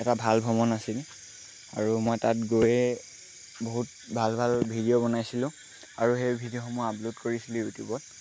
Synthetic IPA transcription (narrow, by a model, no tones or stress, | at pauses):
ɛtabʱalbʱɔmɔnasil | a̰ɹumojtatɡojɛ | boɦut̚ | bʱalbʱalbʱidiobɔnajsilʊ̃ | aɹuxejbʱidioxɔmuaabludkoɹisilũjutjubɔt